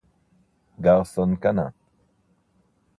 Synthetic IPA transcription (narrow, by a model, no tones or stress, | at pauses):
ɡawsonkana̰